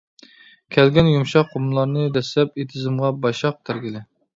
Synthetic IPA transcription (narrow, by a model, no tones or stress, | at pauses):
kʲʰɛlɡʲɛnjumʃɑqʰːomlˠɑɾnɨd̪ɛslɛpet̪ʰɪzɪmʁɑbɑʃɑq̚t̪ʰæɾɡʲɪlɪ